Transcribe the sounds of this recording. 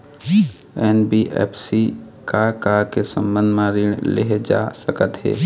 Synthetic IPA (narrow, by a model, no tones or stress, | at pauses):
ɛːnbiʔɛ̰ːpʰsi | kakakesə̃mbə̃nd̪ʱmãɾilḛɦd͡ʒa̰ːsəkət̪ɦɛ̰ː